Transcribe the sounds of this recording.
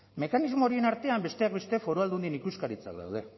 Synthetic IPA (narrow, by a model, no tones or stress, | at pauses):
me̞kanizmo̞ɾienaɾt̪e̞ambe̞st̪e̞ak̚be̞st̪e̞fo̞ɾoald̪und̪inikuskaɾit͡sa̰kða̰wð̞e̞